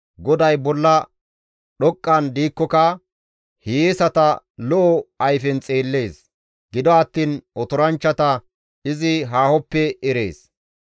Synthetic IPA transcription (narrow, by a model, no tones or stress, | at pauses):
ɡɔd̪ɐjbɔlːɐ | ɗɔkʼːɐnd̪iːkːɔkɐ | hijeːsɐt̪ɐ | lɔʔɔɐjfɛnt͡sʼeːlːe̞ːs | ɡɪd̪ɔɐt̪ːiːnɔt̪ɔɾɐnt͡ʃːɐt̪ɐ | ɪzɪɦaːhɔpːɛɛɾe̞̰ːs